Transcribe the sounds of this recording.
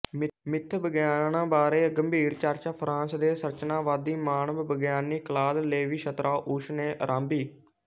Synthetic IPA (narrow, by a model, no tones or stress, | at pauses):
mɪmɪt̪ʰbəɡjaːnãːbaːɾeːɡəmbʱiːɾt͡ʃaɾt͡ʃaːpʰɾãːnsd̪eːsəɾt͡ʃnãːʋaːd̪iːmaːnəʋbəɡjaːniːklaːlleːʋiːʃət̪ɾʔaːʔuːʃneːʔəɾʔãːmbiː